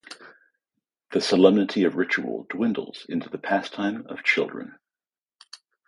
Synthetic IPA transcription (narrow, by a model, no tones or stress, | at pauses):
ðəsəlɛ̃mnətʰiəvɹɪt͡ʃuə̰lˠdwɪ̃ndl̩ˠz̥ɪ̃ntʰʉðəpʰæstʰãɪ̃mə̰v̥t͡ʃʰɪ̰lˠdɹə̰̃n